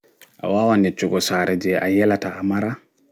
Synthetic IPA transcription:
ʔa̰wawanɛt͡ʃuɡɔsaːɾʔɛd͡ʒɛa̰jɛlataːmaɾa

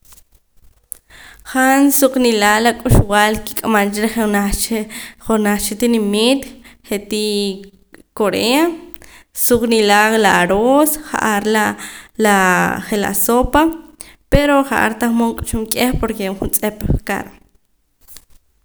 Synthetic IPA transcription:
χansuq͡χʼnilalakʼuʃwalki̥kʼamant͡ʃɾeχena | χonaχt͡ʃet̪inemit̪χet̪i | koɾea | suqʼnilalaaɾosχa̰ʔaɾlalaχela̰sopa | peɾoχaʔa̰ɾt̪aχmoŋkʼt͡ʃuŋkʼeχpoɾkeχunt͡sʼepʼka̰ɾ

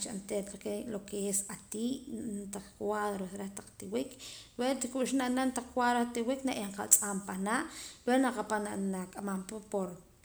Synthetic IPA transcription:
t͡ʃant̪elakelokeesat̪iːʔt̪aq͡χkwaðɾosɾaht̪ḁq͡χt̪iwikʰɾwet̪ikuʃinaʔnant̪aq͡χkwaðɾat̪iwiknaʔeɴqa̰lt͡sʼampanaʔɾwenaqapananakʼamampapoɾ

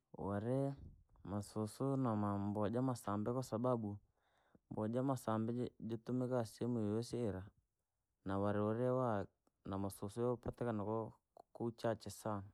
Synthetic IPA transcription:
waɾɛmasosonamambɔd͡ʒamasambɛkɔsababu | mbɔd͡ʒamasambɛd͡ʒetumɛkasɛmuwɛsɛːɾa | nawaɾɛɔɾɛwa | namasosojɔpatɛkanakɔ | kout͡ʃat͡ʃɛsa

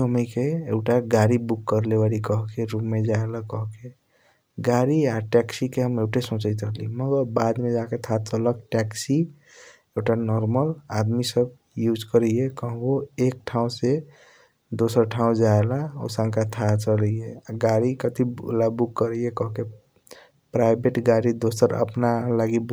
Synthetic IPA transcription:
əməkeeɡʈaɡaɾibukːəɾlebaɾikəɦkeɾumːed͡ʒaelakɔɦke | ɡaɾiaʈɛksikeɦəmeɡʈesõt͡ʃəɪt̪əliməɡəɾbad̪med͡ʒaket̪ʰat͡ʃələk̚ʈɛksi | eɡʈanɔɾməlad̪misəb | jud͡ʒkəɾiekə̃ɦwoek̚ʈʰaũse | d̪osəɾʈʰaũd͡ʒaelaɔ̰sə̃ŋkat̪ʰat͡ʃəleaɡaɾikət̪ilabukːəɾiekɔɦke | pɾaɪbeʈɡaɾid̪osəɾə̰pnalaɡib

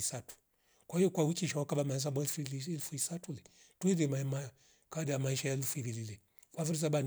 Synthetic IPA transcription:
isatu̥ | kwahijɔkwawikiʃawakaɓamaɛs̬abɛfɛlfuisatulɛ | tuɛðɛmaɛma | kaadijamaiʃajalufuiɾililɛ | kwafiɾis̬aban

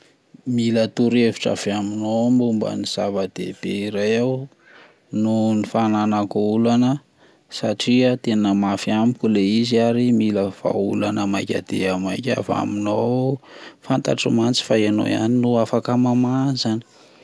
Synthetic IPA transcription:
milət̪uɾeviʈ͡ʂa̰v̥eaminombumbə̰niz̥avad̪ḛb̥eiɾajaw | nunifananakoulanə | saʈ͡ʂiat̪enəmafiamikʲuleiziaɾimiləv̥a̰ulanəmajkʲa̰d̪̥ḛamajkʲa̰fa̰mino | fant̪a̰ʈ͡ʂimant͡si̥faeno̰ja̰ninuafakamamazani̥

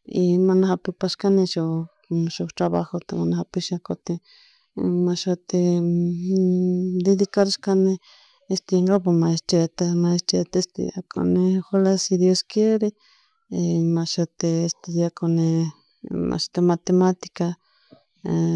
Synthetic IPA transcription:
imanahapipaʃkanẽʃo | ʃot̪ɾaβa̰xot̪emanahapiʃakot̪i | maʃot̪e | d̪eðikaɾiʃkane | est̪eŋɡapomãest͡ʃet̪emaest͡ʃet̪est̪ḭakʰo̰nexolasid̪joskjeɾe | mãʃot̪eest̪eðjakone | ma̰ʃt̪emat̪emat̪i̥ka

